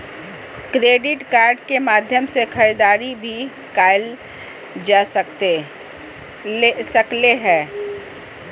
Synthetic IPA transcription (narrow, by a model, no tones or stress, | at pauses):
kɾeːɖɪʈkaːɾɖkemaːd̪ʱjəmsekʰɐɾid̪aːɾibʱi | kaːɪl | d͡ʒaːsəkt̪e | sɐkleɦɛ̃ː